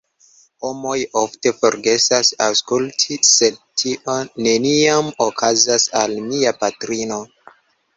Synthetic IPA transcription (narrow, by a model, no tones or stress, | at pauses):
ho̞mo̞jofte̞fo̞ɾɡe̞sasawskultʰise̞d̚tʰiʔone̞niamokʰazasalmiapatɾino̞